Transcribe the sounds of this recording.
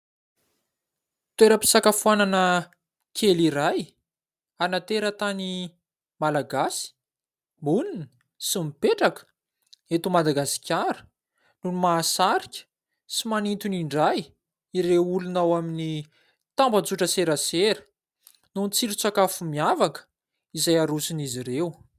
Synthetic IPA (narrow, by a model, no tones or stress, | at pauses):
t̪weɾəpi̥sakafuananə | kʰeliɾaj | anat̪eɾət̪ani | malaɡasi̥ | bunini̥ | simipeʈ͡ʂakə̥ | et̪umad̪aɡasi̥kʲaɾə̥ | numaːsaɾikʲə̥ | simanit̪uniɳɖ͡ʐaj | iɾewulunawamini | t̪ambət͡suʈ͡ʂəseɾəseɾə̥ | nunt͡siɾit͡sakafumiavakə̥ | izajaɾusiniziɾew